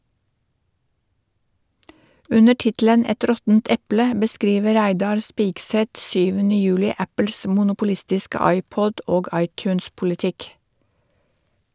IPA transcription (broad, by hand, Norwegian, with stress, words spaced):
ˈʉnə ˈʈɪtlən ˈɛt ˈɾɔtənt ˈɛplə bəˈskɾiːʋə ˈɾæɪdɑɾ ˈspɪɡsɛt ˈsyːʋənə ˈjʉːlɪ ˈæpl̩s mʊnʊpʊˈlɪstɪskə ˈɑɪˌpɔd ˈoːɡ ˈɑɪˌtjʉːnspʊlɪˌtɪk